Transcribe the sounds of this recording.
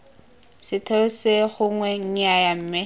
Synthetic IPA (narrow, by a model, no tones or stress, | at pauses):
sɪtʰeʊsɪχʊŋwɛŋ̩ajam̩ːmɪ